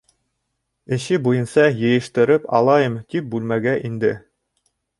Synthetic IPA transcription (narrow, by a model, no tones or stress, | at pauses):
ɘ̆ʃɘbujɤ̆nsɑjɤ̆jɤ̆ʃt̪ɤ̆ɾɤpɑ̰lˠɑjɤmt̪ip̚bʉlmæɡæʔind̪ɘ